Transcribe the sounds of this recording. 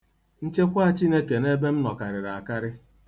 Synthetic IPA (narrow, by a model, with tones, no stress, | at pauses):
n̩˦t͡ʃe˦kʷa˦t͡ʃi˦ne˦ke˨ne˦be˦m̩˦nɔ˨ka˨ɾɪ˨ɾa˨a˨ka˦ɾɪ˦